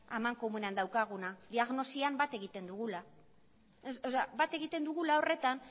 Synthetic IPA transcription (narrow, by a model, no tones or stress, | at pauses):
amaŋko̞mune̞and̪awkaɣ̞unad̪iaɣno̞siambat̪e̞ɣit̪e̞nd̪uɣula | soseabat̪e̞ɣit̪e̞nd̪uɣulao̞re̞t̪an